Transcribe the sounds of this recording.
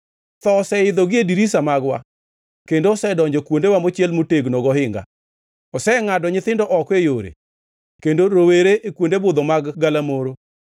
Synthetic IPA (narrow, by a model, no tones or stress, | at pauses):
t̪ɔsɛɪd̪ɔɡɪediɾisamaɡwa̰ | kendosɛdɔɲd͡ʒɔkwondewamot͡ʃjɛlmoteɡnɔɡɔɦɪŋɡa̰ | ɔsɛŋadɔɲɪt̪ɪndɔʔɔkwejoɾḛ | kendoɾoweɾeʔekwondebʊd̪ɔmaɡɡalamoɾo